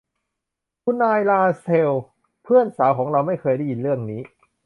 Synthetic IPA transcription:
pʰu˧naː˧jlaː˧se˧w | pʰɯ˥˩ənsaː˩˦wkʰɔː˩˦ŋɾa˧wma˥˩jkʰɤː˧jda˥˩ji˨˧nɾɯ˥˩əŋniː˦˥

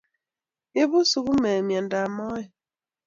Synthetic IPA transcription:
e˦βu˦su˨ɣu˦me˨mja˨n̩˨da˨mɔ˦jɪ˨

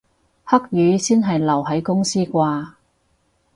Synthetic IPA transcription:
hɐ˥k̚jyː˨˥siː˥nɦɐ˨jlɐ˨˩wɦɐ˨˥jkʊ˥ŋsiː˥kʷaː˧

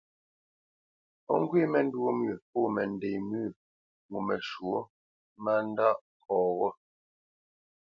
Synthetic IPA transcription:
pɔ̰˦˨ŋ˦ɡwe˦˨mɛ˨n̩˦dwo˦mɥi˨po˦˨mɛ˨n˨dɛ˨jmʉ˦˨ | ŋu˨mɛ˨ʃwo˦ | ma˦n˦da˦ʔ | kʰɔː˨ɣɔ˦

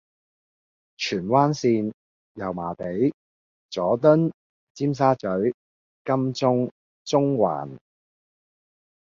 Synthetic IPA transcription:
t͡ʃʰyː˨˩nwaː˥nsiː˧n | jɐ˨˩wmaː˨˩t̪e˨˥j | t͡sɔː˨˥t̪̬ɵ˥n | t͡siː˥ms̬aː˥t͡ʃɵ˨˥ɥ | kɐ˥mt͡sʊ˥ŋ | t͡sʊ˥ŋwa̰ː˨˩n

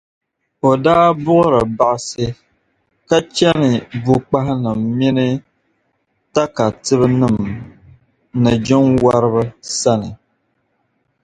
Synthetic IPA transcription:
o˨daː˦bʊ˦ʔʊ˦ɾɨ˨ba˨ʔsɨ˦ | ka˦t͡ʃɛ˦nɨ˨bu˨k͡pa˦hɪ˦nɨ˨mːi˦nɨ˦ | ta˦ka˨tɨ˦βɨ˦nɨ˨m | nɨ˨d͡ʒɪ˦ŋwa˦ɾɨ˦βɨ˦sa˦nɨ˨

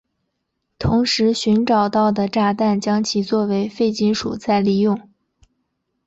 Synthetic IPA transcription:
t̪ʰʊ˧˥ŋʂɻ̩˧˥ɕy˧˥nʈ͡ʂɑ˨˩ʊt̪ɑ˥˩ʊd̪ə˩ʈ͡ʂa˥˧t̪a˥˩nt͡ɕjɑ˥ŋt͡ɕʰi˨˩t͡swɔ˥˩we˧˥ɪfe˥˩ɪt͡ɕi˥nʂṵ˨˩t͡sa˥˧ɪli˥˧jʊ˥˩ŋ

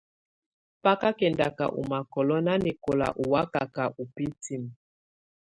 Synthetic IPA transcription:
pa˦ka˦kɛ˨nda˨ka̰˨ʔṵ˨ma˨kɔ˨lɔ˦na˦nɛ˨kɔ˨la̰˨ʔu˨wa˦ka˨ka˨ʔu˨pi˦ti˦m˨

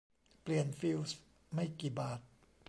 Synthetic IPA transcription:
pli˨˩ənfi˦˥ws | ma˥˩jkiː˨˩baː˨˩t̪̚

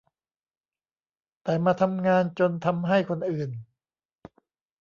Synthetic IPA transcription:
t̪ɛː˨˩maː˧t̪ʰa˧mŋaː˧nt͡ɕo˧nt̪ʰa˧mɦa˥˩jkʰo˧nʔɯː˨˩n

